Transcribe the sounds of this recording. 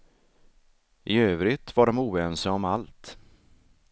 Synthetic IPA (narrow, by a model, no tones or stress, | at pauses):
ʔɪøːvɾɪt̪vaɖɔmuːɛːnsəɔmalt̪